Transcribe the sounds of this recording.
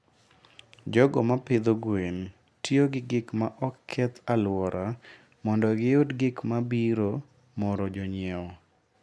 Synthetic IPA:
d͡ʒɔɡɔmapɪd̪oɡwen | tjoɡɪɡɪkmaʔɔkʰːɛt̪alwɔɾʔa | mɔndɔɡɪodɡɪkmabiɾo | mɔɾɔd͡ʒɔɲɪɛɔ

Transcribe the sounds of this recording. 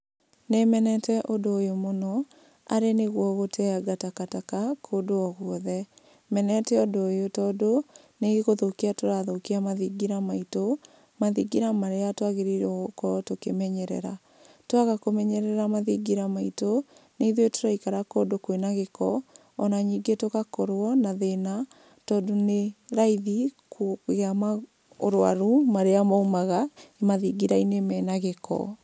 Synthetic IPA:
nemɛnɛtɛʔodoːjomonɔ | a̰ɾeneɣwɔɣotʰɛaɡatakatakakʰodoɔɣwɔðɛ | mɛnɛtɛodoːjotɔdo | neɣeɣoðokiatoɾaðokiamaðiɡiɾamaito | maðiɡiɾamaɾeatwaɣeɾiɾɔkɔtokemɛɲɛɾɛ̰ɾa | twaɣakomɛɲɛɾɛɾamaðiɡiɾamaitoneiðwetoɾaikaɾakɔdokwenaɣekɔː | naɲiɡetokakɔɾwɔnaðena | tɔdoneɾaiðikɣama | oɾowa̰ɾumaɾeamaumaɣaemaðiɡiɾainemɛnaɣekɔ̰

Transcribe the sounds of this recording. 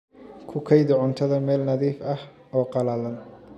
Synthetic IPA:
kʰʊkʰɐjðʊʕʊnt̪ʰɐðɐmɛːlnɐðiːfɐh | ɔːqɑlɐlɐn

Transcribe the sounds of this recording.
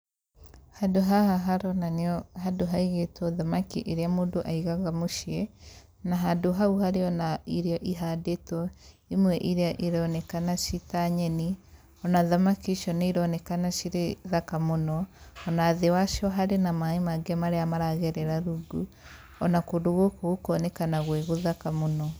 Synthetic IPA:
hadoɦahaɦaɾɔnaneɔhadoɦaiɣetwɔðamakiʔeɾeamoːndoʔaiɣaɣamoʃiɛ | naɦadoɦauhaɾeɔnaiɾeɔʔiɦadetɔ | imwɛʔiɾeaʔiɾɔnɛkanaʃitaɲɛni | ɔnaðamakiʃɔneiɾɔnɛkanaʃiɾeðakamonɔɔnaːðewaʃɔɦaɾenamaemaɡamaɾeamaɾaɣɛɾɛɾaɾuɡu | ɔnakoːdoɣokoɣokɔːnɛkanaɣweɣoðakamonɔ

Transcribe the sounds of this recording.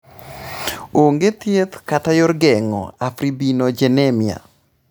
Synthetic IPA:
oŋɡet̪jet̪katajɔɾɡɛŋɔ̰afɾibinod͡ʒenɛmia̰

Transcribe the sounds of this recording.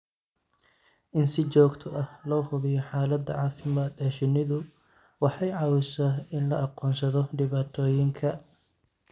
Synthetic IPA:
ʔɪnsɪt͡ʃɔːɡt̪ʰɔʔɐhlɔːhʊðɪjɔħɑːlɐd̪ːɐ̰ʕɑːfɪmaːd̪ɛːʃɪnɪðʊ | wɑħɑjʕɑːwɪsaːɪnlɐʔɑqɔːnsɐðɔɖɪβaːt̪ʰɔːjɪŋkʰɐ

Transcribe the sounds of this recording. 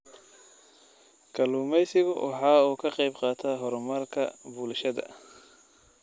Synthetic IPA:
kʰɐluːmɛjsɪɣʊwʔɑ̰ħɑːuːkʰɐqɑjbqɑːt̪ʰaɦɔɾmɐrkʰɐ̰buːlʃɐðɐ̰

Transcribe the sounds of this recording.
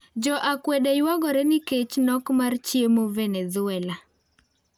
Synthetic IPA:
d͡ʒɔʔakwɛdɛjwaɡɔɾɛnɪket͡ʃnɔkmart͡ʃjemovɛnɛzʊɛla

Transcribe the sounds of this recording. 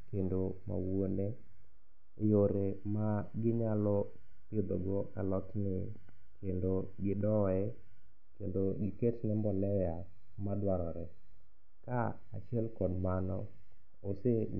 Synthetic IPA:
kendoma̰wone | joɾemaɡɪɲalɔ | pidoɡɔalɔtnɪ | kʰendo | ɡɪdɔɛ | kendoɡɪketnɛmbɔlɛja | madwaɾɔɾɛ | ka | a̰t͡ʃɪɛlkɔdmanɔ | ose

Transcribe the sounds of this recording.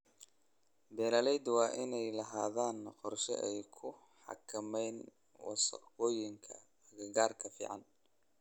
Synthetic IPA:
bɛːlɐlɛjd̪wɑːʔɪnɛjlɐɦaːðaːnqɔrʃɛ̰ʔɛjkʰʊ | ħɑ̰kʰɐmɛjn | wɑ̰sɑ̰qɔːjɪŋkʰɐ | ɐɣɐɣaːrkʰɐfḭːʕɑn

